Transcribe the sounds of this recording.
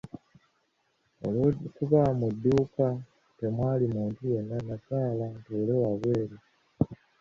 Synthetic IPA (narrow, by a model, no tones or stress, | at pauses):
o̰lkuβamudːuːka | te̞mwaːlimuːntuje̞nːanasaːlantuːle̞waβwe̞ːɾe